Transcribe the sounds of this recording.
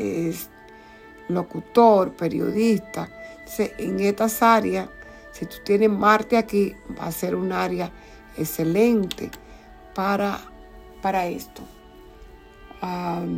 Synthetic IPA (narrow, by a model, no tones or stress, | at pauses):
es | lokut̪oɾpeɾjo̰ðist̪at̪oseʔeŋet̪asaɾjas | sit̪u̥t̪jenesmaɾt̪eakiba̰seɾunaaɾja | ekselent̪ḛ | paɾa | paɾaest̪o | a